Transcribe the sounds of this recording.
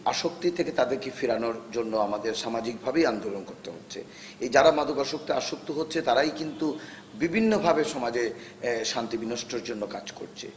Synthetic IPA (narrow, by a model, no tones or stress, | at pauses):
aʃokt̪it̪ʰeket̪ad̪eɾkifiɾanoɾd͡ʑonːoamad̪eɾʃamad͡ʑik̚bʱabejand̪olonkoɾt̪eɦotːɕʰḛ | ed͡ʑaɾamad̪ʱokaʃok̚t̪iaʃok̚t̪iɦotːɕʰet̪aɾajkint̪u | bibʱinːobʱabeʃɔmad͡ʑeʃant̪ibinoʃʈʰoɾd͡ʑonːokad͡ʑko̰ɾt͡ɕʰḛ